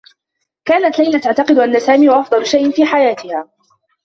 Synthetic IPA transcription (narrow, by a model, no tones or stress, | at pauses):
kaːnat̪lajlat̪aʕt̪ɑqɨd̪ʊʔanːasaːmiːwaʔɑfd̪ˤɑlʊʃajʔɪnfiːħajaːt̪ɪhaː